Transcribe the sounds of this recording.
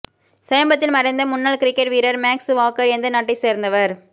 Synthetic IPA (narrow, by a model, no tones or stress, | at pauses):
sɛjɐmbɐt̪ːɪlmɐɾɐɪnd̪ɐmʊnːaːɭkɪɾɪkːɐʈʋiːɾɐɾmaːksʋaːkːɐɾɛnd̪ɐnɐʈːɪseːɾnd̪ɐʋɐɾ